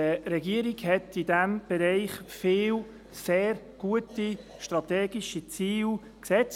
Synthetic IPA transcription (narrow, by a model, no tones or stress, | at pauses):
əɾɛɡiəɾiɡhɛtidæmb̥ɛɾɛɪχfɪːl | seːɾ | ɡ̥uəti | ʃtɾɑt̪ɛːɡiʃit͡siːl | ksɛt͡s